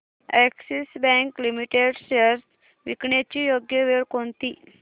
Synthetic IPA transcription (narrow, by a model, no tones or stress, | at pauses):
ɛksisbɛ̃ŋklimiʈeɖsəɾs | ʋikɳet͡ɕijoɡjəʋeɭkont̪i